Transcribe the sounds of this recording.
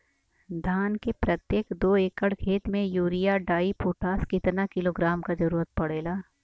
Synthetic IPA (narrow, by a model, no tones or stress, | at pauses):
d̪ʱaːnkepɾɐt̪jeːkd̪oːeːkəɽkʰeːt̪mẽjuːɾijaɖaːipoːʈaːskɪt̪nakɪloːɡɾaːmkad͡ʒɐɾuːɾət̪̚pɐɽeːlaː